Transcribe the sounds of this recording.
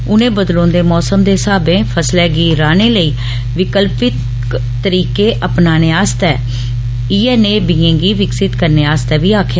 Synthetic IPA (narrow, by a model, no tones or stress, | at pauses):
ʊnẽːbəd̪lõːnd̪eːmɔːsəmd̪eːsaːbẽːpʰəslɛːɡiːɾaːneːləiː | ʋɪkəlpɪt̪ː | əɾiːkeːʔəpnaːneːaːst̪ɛː | iːɛːneːbiːẽːɡiːʋɪksɪt̪kəɾneːaːst̪ɛːʋiːaːkʰjaː